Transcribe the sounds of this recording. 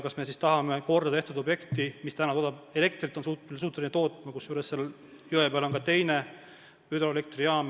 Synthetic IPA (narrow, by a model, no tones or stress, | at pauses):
kɑsme̞sist̪ɑɦɑmeko̞rd̪ɑt̪e̞ht̪ud̪o̞bje̞kt̪imist̪ænɑt̪o̞ːd̪ɑb̥ele̞k̚t̪rit̪ːˑo̞nsuːt̪suːt̪ːˑuinet̪o̞ːt̪ːˑmɑkusjuːɾesːel | jyepeɑlo̞ŋkɑt̪e̞jne | yd̪oele̞k̚t̪riɑːm